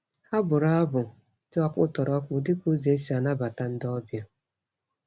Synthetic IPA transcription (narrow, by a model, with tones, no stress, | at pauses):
ha˦bʊ˨ɾa˦a˦bʊ˨˦ | tɪ˦ɔ˨k͡pʊ˦tɔ˨ɾɔ˦k͡pʊ˨dɪ˦ko˦ze˨˦e˦si˨a˨na˦ba˨ta˨n̩˦dɔ˦bja˦